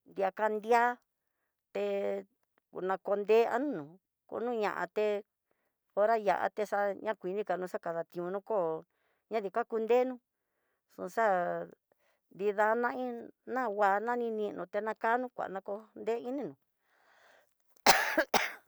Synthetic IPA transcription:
nd̪ja˧ka˧nd̪ja˦ | t̪e˧ | knã˧ko˧nd̪eː˦a̰˦nũ˦nũ˨ | ko̰˧˨˦nũ˦˧ɲã̰˨ʔã̰˧t̪e˧ | o˧ɾa˦ja̰˨ʔa̰˧t̪e˧ʂa˦˧ɲã˦kʷi˨˧nĩ˦ka˨nũ˧ʂa˦ka˧ða˨t̪ĩ˧ũ˧nũ˦ko˦˨ | ɲã˦ði˧˨ka˦ku˧nd̪e˦nũ˦ | ʂṵ̃˧ʂa˦ | nd̪i˧ða˧nã˦ĩ˦nã˦˨wa˧nã˦nĩ˧nĩ˧nʔũ˧t̪e˧nã˧ka˦nũ˦kʷa̰˨nã˧ko˧nd̪e˦i˦nĩ˦nũ˨

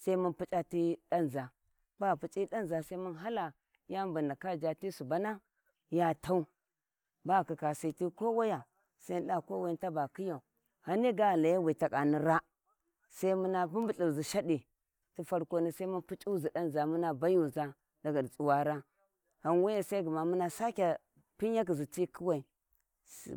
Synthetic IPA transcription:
sa˦i˦mu˦npu˦t͡ʃʼa˦ti˦da˦n˨za˨ | ba˦˨pu˨t͡ʃʼi˦ɗa˦nza˨sa˦i˦mu˦nɦa˦la˨ | ja˦mbu˨nda˨ka˦d͡ʒa˨ti˦su˨ba˦na˦ | ja˦ta˦u˦ | ba˦˨ki˨ka˨si˨ti˦ko˦wa˦ja˨ | sa˦n˦ɗa˦˨ko˦wa˦nta˦ba˨ki˦ja˨u˨ | ha˨ni˦ɡa˦˨la˨ja˦wi˨ta˨kʼa˨ni˨ɾa˦ | sa˦i˦mu˦na˦bu˦mbu˨ɬi˨zi˨ʃa˦di˨ | ti˦fa˦ɾko˦ni˦sa˦i˦ma˦npu˦t͡ʃʼu˦zi˨da˦n˨za˨mu˦na˨ba˦ju˦˨za˦ | da˨ɡa˨dt͡sʼu˨wa˨ɾa˦ | ha˨nwa˦ja˦˨sa˦i˦ɡu˨ma˨mu˦na˦sa˦kʲa˨ | pi˦ja˦ki˨zi˨ti˦kʰi˦wa˨i˨

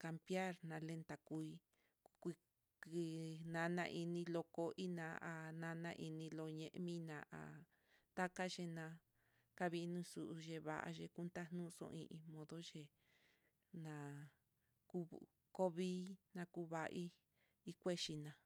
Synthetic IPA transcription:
ka˧mbja˦ɾnã˧le˧nt̪a˨ku˧i˧ | kʷi˧ | ki˧nã˧nã̰˧ʔi˧nĩ˧lo˧ko˦ʔi˦nã˨˦ʔa˧nã˧nã˧ʔi˧nĩ˧lo˧ɲẽ˧ʔmĩ˦nã̰˨˧ʔa̰˨ | t̪a˦ka˦ʒe˧nã˧ | ka˦βi˧nũ˧˦su˧ʔu˧ʒe˧βa̰˧˨ʔa̰˧ʒe˧ku˦nt̪a˦nũ˦˧sõ̰˧ĩ˧ʔĩ˧mõ˧ðo˦ʒe˧ | nã˨ | ku˦ | ko˦βiː˦nã˧ku˧˦βa˧ʔi˦ | i˧kʷe˦ʃi˧nã˨˧

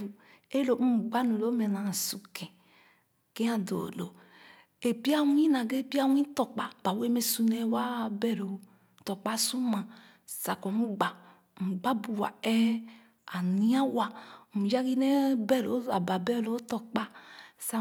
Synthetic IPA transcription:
u˨ | e˦lo˨u˦m̩˨ɡ͡ba˦nu˨lo˦me˨na˨su˨kẽ˨ | ke˦a˦do̰˨lo̰˨ | e˨pi˦a˦wi˦na˨ɡe˦˨pi˦a˦wĩ˦to˨k͡pa˨ba˨we˦me˦su˦ne˦wa˦bɛ˦˨ɾo˨˦˨ | tɔ˨k͡pa˦su˦ma˨ | sa˨ko˨mu˦ɡ͡ba˨ | m̩˨ɡ͡ba˦bu˨wa̰˨ɛ˦ | a˨ni˦a˦wa˨mu˨d͡ʒa˦ɡi˦ne˦bɛ˦˨ɾo̰˨˦a˨ba˨bɛ˦lo˦to˨k͡pa˦sa˦

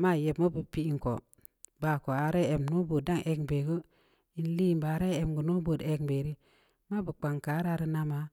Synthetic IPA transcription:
ma˦˨je˨bmo˦bu˨pi˦i˨ŋko̰˨ | ba˨ko˨a˨ɾe˦e˨mno˦bo˨da˦ŋʔe˦kbe˨ɡo˦ | i˦n˦li˦˨mba˨˦ɾe˦e˨mɡu˨no˦bo˨de˦kbe˨ɾi˦ | ma˦bə˨k͡pa˨ŋka˨˦ɾa˦ɾi˦na˦ma˨˦

